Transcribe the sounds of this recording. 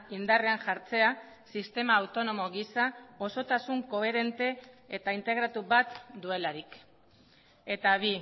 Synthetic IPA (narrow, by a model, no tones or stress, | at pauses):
ind̪are̞aŋʝaɾt͡se̞a | sist̪e̞maːwt̪o̞no̞mo̞ɣisao̞so̞t̪asuŋko̞e̞ɾe̞nt̪e̞ːt̪aint̪e̞ɣ̞ɾat̪uβat̪d̪ue̞laɾik | e̞t̪aβi